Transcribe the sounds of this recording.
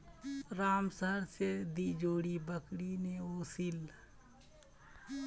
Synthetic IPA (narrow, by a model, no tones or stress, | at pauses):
ɾaːmsəɦəɾsed̪id͡ʒoːɽibəkɽineoːsil